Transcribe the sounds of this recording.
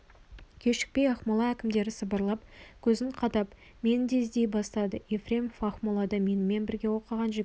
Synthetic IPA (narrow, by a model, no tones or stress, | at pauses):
kʲʰe̞ʃɪ̥k̚pe̞jɑχmolˠɑækʲɪmd̪e̞ɾɪsəbəɾlˠɑpkʲʰɵzɪɴqʰɑd̪ɑp | me̞nɪd̪e̞zd̪e̞jbɑst̪ɑd̪əefrʲe̞mfɑχmolˠɑd̪ɑme̞nɪme̞nbɪɾɡʲe̞wo̞qəʁɑnʒe